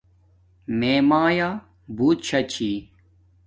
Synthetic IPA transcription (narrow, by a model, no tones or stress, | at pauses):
meːmaːja | buːt̪̚ɕʰɐt͡ɕʰiː